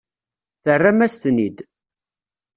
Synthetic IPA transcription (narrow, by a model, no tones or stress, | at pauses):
θərːæmæst̪nid̪